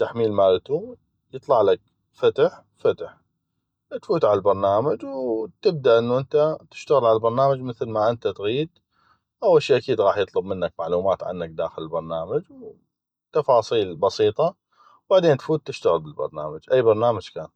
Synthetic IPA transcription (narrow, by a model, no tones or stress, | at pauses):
t̪ːaħmiːlmaːlt̪u | jɨt̪ˤlɑʕlak̚ | fat̪ħ | fat̪əħ | t̪fuːt̪ʕalalbɑɾˤnaːmad͡ʒwt̪ɪb̚d̪aʔɪnːuʔɪnt̪at̪ɪ̥ʃt̪aɣɪlʕalalbɑɾˤnaːmad͡ʒmɪθlmaʔɪnt̪at̪ɣiːd̪ | ʔawːalʃeːʔakiːd̪ɣɑːħjɨt̪ˤlʊbmɪnːakmaʕluːmaːt̪ʕa̰nːak̚d̪a̰ːxɪlɪlbɑɾˤnaːmad͡ʒw | t̪ɑfɑːsˤiːlbɑsiːt̪ˤɑ | wbaʕd̪eːnt̪fuːt̪ːɪʃt̪aɣəlbɪlbɑ̰ɾˤna̰ːmad͡ʒʔajːbɑɾˤnaːmad͡ʒkaːn